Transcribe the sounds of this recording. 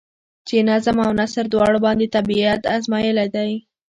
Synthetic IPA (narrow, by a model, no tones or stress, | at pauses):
t͡ʃenazamawnasaɾd̪wɑɽobɑnd̪et̪abiat̪azmɑjəlad̪aj